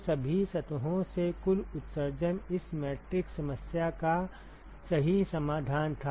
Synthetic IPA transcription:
sɐbʱisɐt̪ɦõsekʊlʊt̪səɾd͡ʒənɪsmɛːʈɾɪksɐməsjaka | sɐɦisɐmaːd̪ʱaːnt̪ʰa

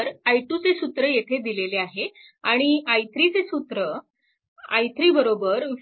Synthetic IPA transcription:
ɾajʈut͡sesut̪ɾəjet̪ʰed̪ileleaɦe | aɽ̃iajt̪ɾit͡sesut̪ɾə | a̰jt̪ɾiːbəɾobəɾ

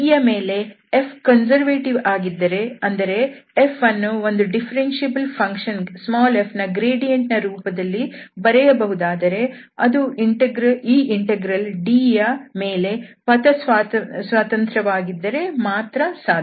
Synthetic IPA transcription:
ijɐme̞ːle̞ | epʰkɐnsɐɾʋeːʈiʋaːɡid̪ːɐɾe̞ɐnd̪ɐɾe̞ːfʰɐnːuo̞nd̪uɖipʰɐɾenʃebɐlpʰɐŋkʃɐnsmaːlepʰnɐɡɾeːɖijɐɳʈnɐɾuːpɐd̪ɐlːibɐɾɛjɐbɐɦud̪aːd̪ɐɾe̞ | ɐd̪uiɳʈeɡɾɐiːʔiɳʈeɡɾɐlɖiːjɐme̞ːle̞pɐt̪ɐsʋasʋaːt̪ɐnt̪ɾɐʋaːɡid̪ːɐɾe̞maːt̪ɾɐsaːd̪

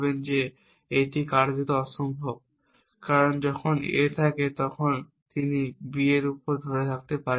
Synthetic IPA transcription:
bend͡ʑe | eʈikaɾd͡ʑit̪oɔʃombʱob̚ | kaɾond͡ʑɔkʰonḛt̪ʰaket̪ɔkʰon | t̪inibieɾupoɾd̪ʱoɾet̪ʰak̚t̪epaɾ

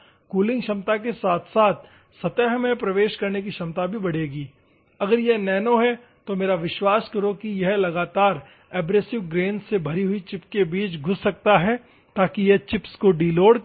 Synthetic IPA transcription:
kuːlɪ̃ŋɡʃɐmt̪ak̬esaːt̪ʰsaːt̪̚ʰ | sɐt̪əɦmẽpɾɐʋeːʃkɐɾnek̬iʃɐmt̪abʱibɐɽ̤eːɡiː | ɐɡəɾjɛnɛːnoɦɛ | t̪omeːɾaʋɪʃwaːskɐɾokijɐɦlɐɡaːt̪aːɾ | ɛːbɾeːsɪʋɡɾẽːnsebʱɐɾiɦʊit͡ʃɪpkebiːt͡ʃɡʱʊsːɐk̚t̪aɦɛ | t̪aːkijɐɦt͡ʃɪpskoɖiːloːɽ

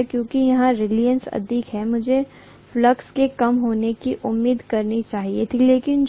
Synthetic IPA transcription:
kjõːkijɐɦãɾeːlijə̃nsɐ̰d̪ʱikɦɛmʊd͡ʒʱe | fləkskekɐmɦoːnekiʔʊmːiːd̪kɐɾnit͡ʃaːɦiet̪ʰileːkɪn

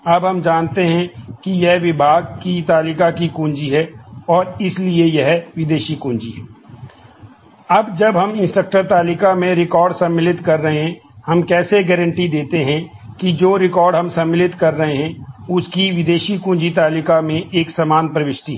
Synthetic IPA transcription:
ɐbɦɐmd͡ʒaːnt̪eɦɛ̃kijɛɦʋɪbʱaːɡ̚kit̪aːlɪkakikũːnd͡ʒiɦɛɔːɾɪsliejɛɦʋɪd̪eːʃikũːɲd͡ʒiɦɛː | ɐbd͡ʒɐbɦɐmɪ̃nsʈək̚ʈəɾt̪aːlɪkamẽɾɪkɔːɾɖsɐ̃mːɪlɪt̪kɐɾːɐɦeɦɛ̃hɐmkɛːseɡɛːɾə̃ɳʈid̪eːt̪eɦɛ̃ | kid͡ʒoːɾɪkɔːɾɖɦɐmsɐ̃mːɪlɪt̪kɐɾːɐɦeɦɛ̃ʊskiʋɪd̪eːʃikũːnd͡ʒit̪aːlɪkamẽʔeːksɐmaːnpɾɐʋɪʃʈiɦ

